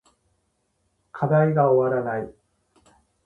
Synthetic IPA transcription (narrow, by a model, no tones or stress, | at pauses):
kʰad̪aiɡaoβaɾanai